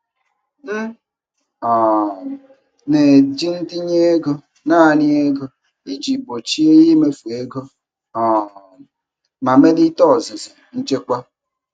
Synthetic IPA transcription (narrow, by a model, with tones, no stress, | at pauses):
m̩˦ | ɔ˨ | ne˨d͡ʒi˦n̩˦ti˦ɲe˦e˦ɡo˦ | na˦˨ni˦e˦ɡo˦ | i˦d͡ʒi˨bo˨t͡ʃi˦e˦ji˦me˦fu˨e˦ɡo˦ | ɔ˨ | ma˨me˦di˦tɔ˦˨zi˨zi˨n̩˦t͡ʃe˦kʷa˦